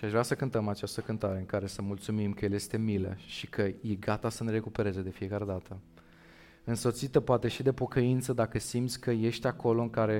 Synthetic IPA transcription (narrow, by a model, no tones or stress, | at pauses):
ʃiaʃvɾasəkɨnt̪əmat͡ʃast̪əkɨnt̪aɾe̞ɨŋkaɾe̞səmult̪sumimkəjelje̞st̪e̞milḛʃikʰəjeɡat̪asəne̞ɾe̞kupe̞ɾe̞ze̞d̪e̞fie̞kaɾe̞d̪at̪ʰə | ɨnso̞t̪sit̪əpoat̪e̞ʃid̪e̞po̞kəint̪səd̪akəsimt̪sʲkəje̞ʃt̪ʲako̞lo̞ɨŋkaɾe̞